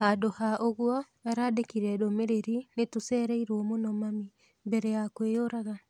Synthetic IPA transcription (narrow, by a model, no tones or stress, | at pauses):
hadohaʔoɣwɔ | aɾaːdekiɾɛdomeɾeɾinetosɛːɾɛiɾwɔmonɔmami | mbɛɾɛjakweoɾaɣa